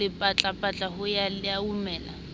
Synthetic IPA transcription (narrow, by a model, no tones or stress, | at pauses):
ɪpʼat͡ɬʼapʼat͡ɬʼaɦʊjalɪaumɛːla̰